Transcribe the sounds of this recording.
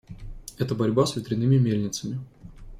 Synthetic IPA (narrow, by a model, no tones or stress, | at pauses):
ɛt̪əbɐɾʲbasvʲɪt̪ɾʲɪnɨmʲɪmʲelʲnʲɪt̪səmʲɪ